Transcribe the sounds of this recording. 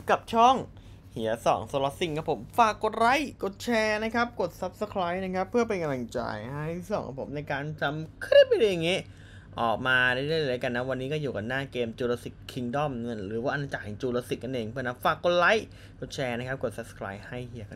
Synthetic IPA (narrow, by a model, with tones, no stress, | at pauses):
ka˨˩p̚t͡ɕʰɔ˥˩ŋ | hi˨˩˦ɐsɔ̰ː˨˩˦ŋso˧˦lɔ˧˥t̪si˨˩ŋkʰa˦˥pʰo˩˦mfaː˨˩kːo˨˩t̪̚ɾa˦˥jko˨˩t̪̚t͡ɕʰɛː˧na˦˥kʰa˦˥p̚ko˨˩t̪̚sa˦˥p̚sa˧kʰɾaː˦˥jna˦˥kʰa˦˥pʰːɯ˥˩ɐpa˧nka˧mla˧˩ŋt͡ɕa̰ː˧˩jha˥˩jsɔ̰˨˩˦ŋkʰa̰˧˩pʰo˩˦mna˧jkaː˧nt͡ɕa˧mkʰɯ˥˩p̚ːa˧˥dɯː˧˩ja˨˩ŋːiː˦˥ | ʔɔː˨˩k̚maː˧daː˥˩jda˥˩jlɤː˦˥˩jka˧nːa˦˥wa˧nːiː˦˥kɔ˥˩juː˨˩ka˨nːaː˥˩keː˧mt͡ɕuː˧loː˧si˨˩kkʰːi˧ŋdɔ˥˩mnɯ˥˩ɾɯː˩˦waː˧˩ʔa˧naː˧t͡ɕa˨˩hɛ˨˩ŋt͡ɕuː˧loː˧si˨˩k̚ka˧nʔeː˧ŋpʰɯ˥˩na˦˥faː˨˩kːo˨˩t̪̚la˦˥j | ko˨˩t̪̚t͡ɕʰɛː˧n˧˦˥kʰa˦˥p̚ko˨˩t̪̚sa˦˥p̚sə̥˧kʰɾaː˦˥jha˥˩jhi˩˦ɐka˧